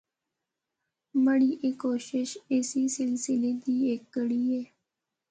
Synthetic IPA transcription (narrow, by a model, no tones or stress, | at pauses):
məɽiːʔeːkoɕɪʃesiːsɪlsɪled̪iːekːəɽiːje